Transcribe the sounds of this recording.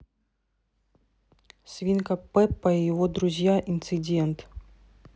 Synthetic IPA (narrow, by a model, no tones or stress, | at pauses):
sʲvʲinkɐpɛpːɐijɪvɔd̪ɾʊzʲjaʔint̪sɨd͡zʲɛnt̪